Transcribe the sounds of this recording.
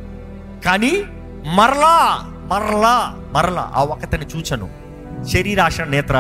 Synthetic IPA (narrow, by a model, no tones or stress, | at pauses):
kaːni | mɐɾɐlaː | mɐɾɐɭaː | mɐɾɐla̰ːʔa̰ːwɔkɐt̪ɐnit͡ʃuːt͡ʃɐnṵ | ʃeɾiɾaːʂɐnɛːt̪ɾɐ